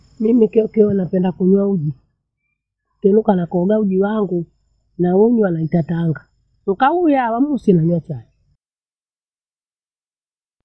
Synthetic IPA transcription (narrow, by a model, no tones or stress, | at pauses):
mimikɛɔkɛɔnapɛndakuɲwauʄi | kɛnukanakɔɡauʄiwaŋɡu | nauɲwanaitataŋɡa | ŋ̩kaujawamusinaɲwat͡ʃakɛ